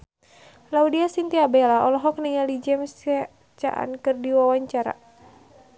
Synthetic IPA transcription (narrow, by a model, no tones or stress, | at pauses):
laudiasint̪iabɛlaɔlɔɦɔk̚nəŋalid͡ʒɛmsɛ | t͡ʃa̰ʔa̰nkɨrdiwawaɲt͡ʃaɾa̰